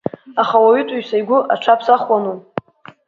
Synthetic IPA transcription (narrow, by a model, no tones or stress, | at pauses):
aχawaɥytʷʼuɥsajɡʷʊʔaʈ͡ʂʷʰapʰsaχwanu